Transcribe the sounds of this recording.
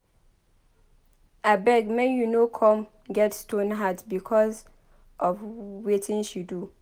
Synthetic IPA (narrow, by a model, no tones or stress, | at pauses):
abɛɡmɛ̃njunokʰɔ̃m | ɡɛtstʰõnɦadbikʰɔz | ʔɔfwetʰɪ̃nʃidu